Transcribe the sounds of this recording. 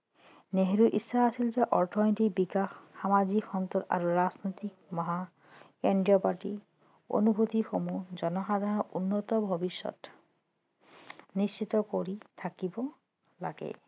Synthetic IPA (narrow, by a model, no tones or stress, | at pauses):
neɦɹuʔisːaːsilzɛʔɔɹtʰɔntik̚bikaxːamazikxɔnt̪ɔt̪a̰ɹuɹaznɔjt̪ik̚mɔɦa | eɳɖiɔpaʈi | o̰nubʱot̪ixomuzɔnɔxad̪ʱanɔunːɔt̪ɔbʱɔbiʃːɔ̰t | nist͡ʃit̪ɔkoɹitʰakibɔ | la̰ɡɛ̰